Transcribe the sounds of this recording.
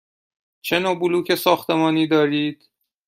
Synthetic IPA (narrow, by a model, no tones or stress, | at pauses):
t͡ʃʰe̞noːbuluːcʰe̞sɒːxt̪ʰe̞mɒːniːd̪ɒːɾiːd̪̥